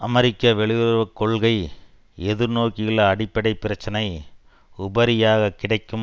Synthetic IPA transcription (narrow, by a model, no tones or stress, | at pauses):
ʔɐmɐɾɪkːɐʋɛɭɪʋɾʋɐkːɔɭɣɐɪ | ɛðɯɾnoːkɪɣɐɭɐɐɽɪpːɐɽɐɪpːɪɾɐt͡ʃːɐnɐɪ | ʊbɐɾɪjaːɣɐkːɪɽɐɪkːɯm